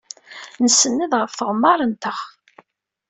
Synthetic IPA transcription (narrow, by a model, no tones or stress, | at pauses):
nəsːənːiðʁəfθəʁmːɑɾˤənt̪əχ